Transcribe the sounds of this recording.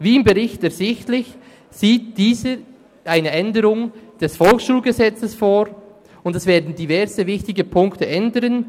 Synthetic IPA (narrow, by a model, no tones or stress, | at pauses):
viːɪmbəʁɪçtɛɐz̥ɪçtlɪç | z̥iːt̚d̥iːzə | ʔaɪnəʔɛndəɾʊŋd̥ɛsfɔlksʃuːlɡəzɛt͡səsfoːɾ | ʊndɛsv̥eːɐdn̩divɛɾzəvɪçtɪɡəpʰʊŋktəʔɛndəɾən